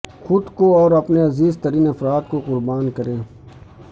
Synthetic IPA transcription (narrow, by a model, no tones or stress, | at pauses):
xʊd̪koɔːɾɐpneɐziːzt̪əɾiːnɐfɾaːt̪̚koqʊɾbaːnkəɾẽː